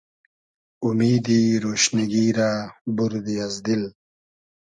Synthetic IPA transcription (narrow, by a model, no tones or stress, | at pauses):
umiːd̪iɾoːʃniɡiːɾaːbuɾd̪iazd̪il